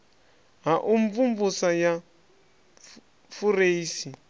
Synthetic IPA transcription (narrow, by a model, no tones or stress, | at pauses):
ɦaʔuɱvumvusaja | fuɾeisi